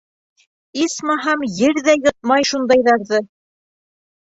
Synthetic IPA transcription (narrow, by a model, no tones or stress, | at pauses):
ismɑɦɑmjɘɾðæjɤ̆t̪̚mɑjʃund̪ɑjðɑɾðɤ